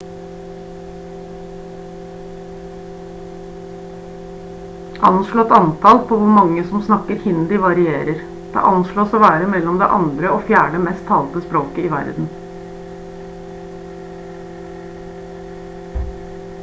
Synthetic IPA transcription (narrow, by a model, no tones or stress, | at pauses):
ʔɑnʃɭoːɛt̪ɑnt̪ʰɑːlpʰoːʋʊɾmɑŋːəsɔmsnɑkəɾhɪnd̪ɪʋɑɾɪeːɾəɾ | d̪̥ḛːʔɑnʃɭoːsoːʋæːɾəmɛlɔmd̪ḛːʔɑ̰nd̪ɾəoːfjæːɖəmɛst̪ʰːɑːlt̪əspɾoːkəiːʋæ̰ɾd̪n̩